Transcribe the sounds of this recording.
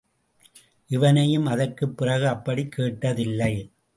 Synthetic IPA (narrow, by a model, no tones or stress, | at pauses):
ʔɪʋɐnɐjɯmɐðɐrkɯpːɪrɐɣɯɐpːɐɽikʰːeːʈːɐðɪlːɐɪ